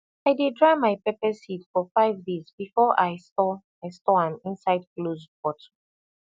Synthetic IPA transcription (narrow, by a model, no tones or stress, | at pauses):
aɪdedɹamaɪpɛpɛsitfɔfaɪvdezbifɔʔaɪstɔ | aɪstɔãmĩnsaɪd̚klozpɔtʰo̥